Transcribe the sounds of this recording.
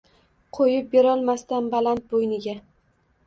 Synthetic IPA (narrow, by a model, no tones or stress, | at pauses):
qʰojɪp̚beɾɒlˠmast̪anbalant̪̚bojnɪɡʲa